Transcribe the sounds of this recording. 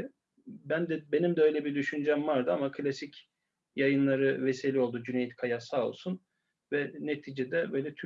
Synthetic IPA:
bænd̪ɛbe̞nimd̪ɛø̞jlʲɛbiɾd̪yʃynyd͡ʒɛmvaɾd̪ɯamakʰlʲasic | jajɯnlˠaɾɯveselʲio̞lˠd̪ud͡ʒynejit̪kʰajasao̞̰lˠsun | vɛnet̪ʰiːd͡ʒed̪ɛbø̞ːjlʲɛt̪ʰy

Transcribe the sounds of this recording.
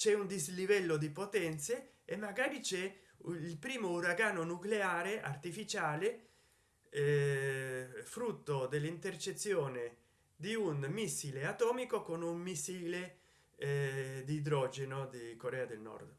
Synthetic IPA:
t͡ʃɛund̪izlivɛlːod̪ipot̪ɛnt̪seː | mːaɡaːɾit͡ʃɛ | ilpɾiːmouɾaɡaːnonukleaːɾeʔa̰rt̪ifit͡ʃaːle | ɛ | fɾut̪ːod̪elːint̪ert͡ʃet̪sːjoːne | d̪iunmisːileat̪ɔːmikokonummisːiːle | d̪id̪ɾɔd͡ʒenod̪ikoɾɛːad̪elnɔ̰rd̪

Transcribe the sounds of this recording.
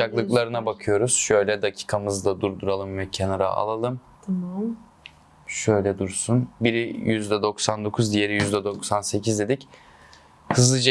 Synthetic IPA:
aklˠɯklˠaɾɯnabakʰɯjo̞ɾuz̥ʃø̞jlʲɛd̪acʰi̥ːkʰamɯzd̪ˠad̪uɾd̪uɾalˠɯmvɛcʰenaɾa̰a̰lˠalˠɯm | t̪ʰm | ʃø̞jlʲɛd̪uɾsunbiɾijyzd̪ɛd̪o̞ksand̪o̞kʰuzd̪ijeɾijyzd̪ɛd̪o̞ksanse̞cʰizd̪ed̪ic | hɯzlˠɯd͡ʒa

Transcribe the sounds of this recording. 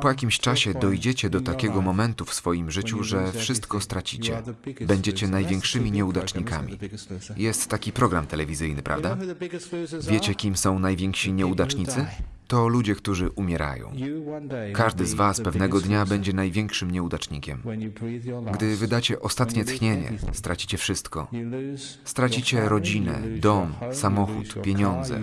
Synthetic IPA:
pɔjakʲimɕt͡ʂaɕɛd̪ɔjd͡ʑɛt͡ɕɛd̪ɔt̪akʲɛɡɔmɔmɛnt̪ufsfɔjimʐɘt͡ɕuʐɛfʂɘst̪kɔst̪ɾat͡ɕit͡ɕɛ̰bɛɲd͡ʑet͡ɕɛnajvʲjɛŋkʂɘmʲiɲɛud̪at͡ʂɲikamʲḭjɛst̪ːakʲipɾɔɡɾamt̪ɛlɛvʲizɘjnɘpɾʔa̰vd̪a | vʲjet͡ɕɛkʲimsɔ̃w̃najvʲjɛŋkɕiɲɛud̪at͡ʂɲit̪sɘt̪ɔlud͡ʑɛkt̪uʐɘʔumʲjɛɾa̰jɔ̰̃w̃ | kaʐd̪ɘzvaspɛvnɛɡɔd̪ɲabɛɲd͡ʑɛnajvʲjɛŋkʂɘmɲɛud̪at͡ʂɲikʲɛm | ɡd̪ɘvɘd̪at͡ɕɛʔɔst̪at̪ɲɛt̪xɲeɲɛ̰st̪ɾat͡ɕi̥t͡ɕɛfʂɘst̪kɔ̰ | st̪ɾat͡ɕit͡ɕɛɾɔd͡ʑinɛ̰d̪ɔmsamɔxṵt̪pʲjeɲɔnd̪zɛ̰

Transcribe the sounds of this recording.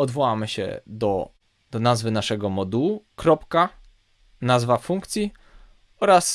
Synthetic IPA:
ɔd̪vɔwamɘɕɛ̰d̪ɔ | d̪̥ɔnazvɘnaʂɛɡɔmɔd̪uwukɾɔpka | nazvafuŋkt̪sʲi | ɔɾas

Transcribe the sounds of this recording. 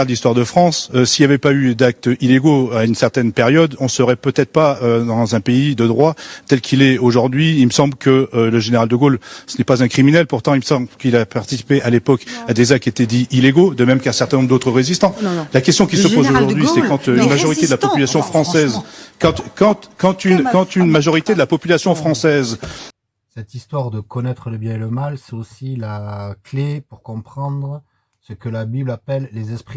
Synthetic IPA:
ʁd̪əlist̪waʁd̪əfχɑ̃søsiljavɛpayd̪ak̚t̪ileɡoaynsɛʁt̪ɛnpeʁjɔd̪ɔ̃səʁɛpøt̪ɛt̪χə̥paød̪ɑ̃zɛ̃peid̪əd̪ʁwat̪ɛlkʲʰilɛoʒuʁd̪ɥiːlməsɑ̃blkələʒeneʁald̪əɡolsənɛpazɛ̃kχiminɛlpuʁt̪ɑ̃ilməsɑ̃bkilapaʁt̪i̥si̥peʔalepɔkad̪ezak̚t̪et̪ɛd̪iileɡod̪əmɛmkaɛ̃sɛʁt̪ɛnɔ̃bʁd̪ot̪χəʁezist̪ɑ̃lakʲɛst̪jɔ̃kʲisəpozoʒuʁd̪ɥisɛkɑ̃t̪ynmaʒɔʁit̪ed̪əlapɔpylasjɔ̃fχɑ̃sɛzkɑ̃t̪kɑ̃t̪kɑ̃t̪ynkɑ̃t̪ynmaʒɔʁit̪ed̪əlapɔpylasjɔ̃fχɑ̃sɛz | sɛt̪ist̪waʁd̪əkɔnɛt̪χələbjɛ̃eləmalsɛt̪osilaklepuʁkɔ̃pχɑ̃d̪ʁə | səkəlabiblapɛlːezɛspχi

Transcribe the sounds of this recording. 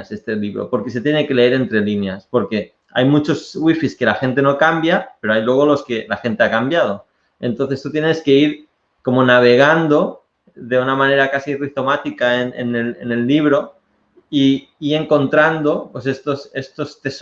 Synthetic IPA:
se̞st̪e̞liβɾo̞̰po̞ɾke̞se̞t̪jeneke̞le̞eɾe̞nt̪ɾe̞linjaspo̞ɾke̞ | a̰jmut͡ʃo̞zɣwifiske̞laxe̞nt̪e̞no̞kambjape̞ɾo̞ajlwe̞ɣ̞o̞lo̞ske̞laxe̞nt̪e̞akambjað̞o̞ | e̞nt̪on̟θe̞st̪ut̪je̞neske̞iɾ | ko̞monaβ̞e̞ɣand̪o̞ | ðe̞unamãne̞ɾakasirit̪o̞mat̪ikaenḛnelene̞lːiβ̞ɾo̞ | iː | e̞ŋko̞nt̪ɾand̪o̞pwe̞se̞st̪ose̞st̪o̞st̪e̞s

